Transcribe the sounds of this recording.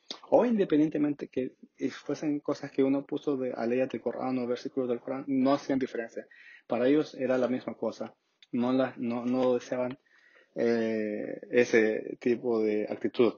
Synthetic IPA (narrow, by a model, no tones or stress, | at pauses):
oind̪epend̪jent̪emẽnt̪ekefwese̞ŋko̞saskeunopusoðea̰lejat̪ɾilkora̰noβeɾsikulozðekoɾanːo̞asiand̪ife̞ɾe̞nsjapaɾaeʝo̞se̞ɾalamizmako̞sa | nolanonoðeseaβan | e | eset̪ipoðea̰k̚t̪it̪uð